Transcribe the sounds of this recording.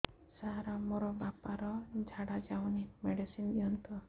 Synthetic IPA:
saɦɾamoɾɔbapaɾɔd͡ʒʱaɽad͡ʒawnimeɖisindiɔnt̪ɔ

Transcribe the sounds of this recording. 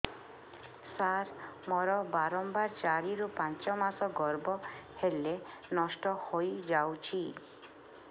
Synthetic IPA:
saɾmɔɾɔbaɾɔmbaɾt͡ʃaɾiɾupãnt͡ʃɔmasɔɡɔɾbɔhele | nɔsʈɔhojd͡ʒawt͡ʃʰi

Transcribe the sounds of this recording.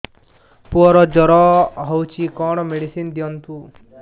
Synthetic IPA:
puɔɾɔd͡ʒɔɾɔɦɔwt͡ʃʰikɔɽ̃ɔmeɽisind̪iɔnt̪u

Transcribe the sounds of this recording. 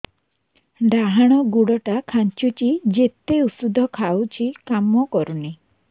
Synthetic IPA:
ɖaɦaɽ̃ɔɡuɽɔʈakʰant͡ʃut͡ʃid͡ʒet̪eusud̪ʱɔkʰawt͡ʃʰikamɔkɔɾuni

